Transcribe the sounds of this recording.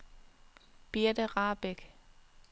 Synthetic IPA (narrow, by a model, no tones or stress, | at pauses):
b̥iɐd̥əʁɑːb̥eɡ̥